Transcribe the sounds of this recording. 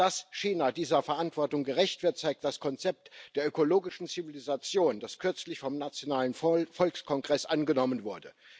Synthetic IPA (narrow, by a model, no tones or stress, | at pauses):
d̥asʃiːnadiːzɐfɛɐʔantv̥ɔɐtʊŋɡəʁɛçtv̥ɪɐtt͡saɪk̚t̚d̥askʰɔnt͡sɛp̚td̥eːɐøkoloːɡɪʃn̩t͡sivilizat͡sjoːnd̥askʰʏɐt͡slɪçfɔmnat͡sjonaːlənfɔlkskʰɔŋɡʁɛsʔanɡənɔmənvʊɐdə